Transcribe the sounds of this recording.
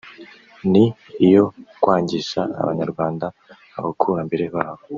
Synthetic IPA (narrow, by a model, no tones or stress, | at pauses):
ni | ijo̞kwaːɲɟiʃaa̰βa̰ɲaɾɡwaːndaː | βakʰuɾambe̞ɾe̞βaːβo